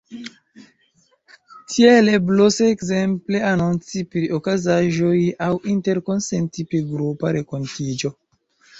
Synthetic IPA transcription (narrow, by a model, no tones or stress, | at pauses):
tʰielebloseːkzemple̞anunt͡sipɾiʔokazaʒo̞jawinte̞ɾko̞nsentipɾiɡɾupaɾe̞ko̞ntid͡ʒo̞